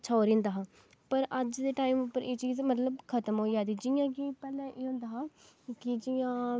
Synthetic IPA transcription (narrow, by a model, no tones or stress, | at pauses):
t͡ʃʰaɾĩːnd̪aːɦãː | pəɾəd͡ʒd̪eːʈaːimʊpːəɾʔeːt͡ʃiːzmət̪ləbkʰət̪əmɦoːid͡ʒaːd̪iːd͡ʒɪjãːkipɛːlɛ̃ːʔeːɦʊ̃ːnd̪aːɦaː | kɪd͡ʒɪjãː